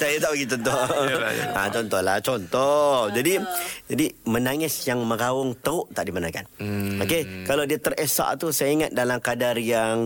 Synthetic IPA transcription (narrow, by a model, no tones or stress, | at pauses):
sajat̪aʔbəɡit͡ʃɔnt̪ɔ | at͡ʃɔnt̪ɔhlat͡ʃɔnt̪ɔhd͡ʒadid͡ʒadimənaŋɪsjaŋmə̃ɡawʊŋt̪əʊʔt̪aʔdimanaka̰nokekalawdiat̪ərəsa̰ʔt̪usajaiŋat̪̚dalamkadarjaŋ